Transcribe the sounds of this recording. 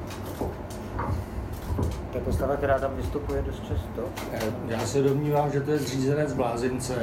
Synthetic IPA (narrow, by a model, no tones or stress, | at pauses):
t̪akoslavak̚t̪ɛɾaːt̪amvɪst̪upujɛdost̪̚t͡ʃast̪o | jaːsɛdo̞mɲiːvaːmʒɛt̪o̞jɛzr̝iːzɛnɛd͡zblaːzɪnt͡sɛ